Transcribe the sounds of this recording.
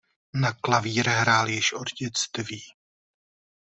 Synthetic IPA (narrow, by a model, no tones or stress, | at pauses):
naklaviːɾɛɦɾaːljɪʃʔodɟɛt͡st̪viː